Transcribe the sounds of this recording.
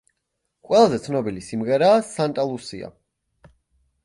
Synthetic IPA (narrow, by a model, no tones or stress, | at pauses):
qʼwɛlˠazɛt̪sʰnɔbilisimʁɛɾaːsant̪ʼalˠusḭa̰